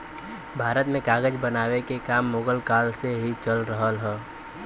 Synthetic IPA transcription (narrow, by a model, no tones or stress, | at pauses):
bʱaːɾət̪mẽkaːɡəd͡ʒbənaːwekekaːmːoːɡəlkaːlseɦit͡ʃəlɾəɦəlɦɛ̃ː